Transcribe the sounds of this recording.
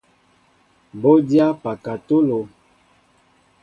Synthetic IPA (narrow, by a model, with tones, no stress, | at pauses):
bo˦dja˦pa˨ka˨to˦lo˨